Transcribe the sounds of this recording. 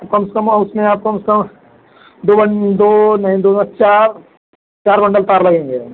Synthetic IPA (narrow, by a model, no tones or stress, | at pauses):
p̚kɐmskɐmʊsmẽaːp̚kɐmskɐm | d̪oːbɐɳd̪oːnɐɦĩd̪oɐt͡ʃaːɾ | t͡ʃaːɾbɐ̃ɳɖəlt̪aːɾlɐɡẽːŋɡeː